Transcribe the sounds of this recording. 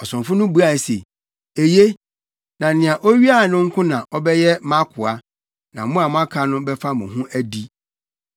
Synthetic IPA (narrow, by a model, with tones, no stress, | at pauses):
ɔ˨sʊ̃˨nfʊ̃˦nʊ̃˦bu˦a˨sḛ˨ | e˨je˦ | nã˨nɪ̃˨ã˨ʔo˦ɥi˦a˦˨nʊ̃˦ŋ̩˦kʰʊ̃˦nã˨ʔɔ˦bɛ˦jɛ˦mã˦kʰʊ˨a˦ | nã˨mʊ̃˦a˨mʊ̃˦a˦kʰa˨˦nʊ̃˦bɛ˦fa˦mʊ̃˨ɦũ˦ʔæ˦di˦